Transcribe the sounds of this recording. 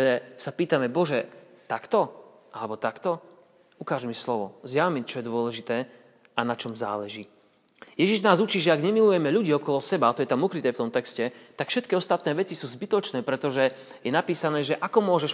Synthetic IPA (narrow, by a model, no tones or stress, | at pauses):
ɛsapiːt̪amɛbɔʒɛ | t̪akt̪ɔ | ʔalɛbɔt̪akt̪ɔ | ukaːʒmislɔʋɔ̰zjaʋmit͡ʃɔjɛd̪ʊɔlɛʒit̪ɛː | ʔanat͡ʃɔmza̰ːlɛʒiː | jɛʒiʒnaːzut͡ʃiːʒɛaɡɲɛmilujɛmɛʎuɟiːɔkɔlɔsɛbalt̪ɔjɛt̪amukɾit̪ɛːft̪ɔmt̪ɛkscɛt̪akfʃɛt̪kiɔst̪at̪nɛːʋɛt͡sisuːzbit̪ɔt͡ʃnɛːpɾɛt̪ɔʒɛjɛnapiːsanɛːʒɛʔakɔmʊɔʒɛʃ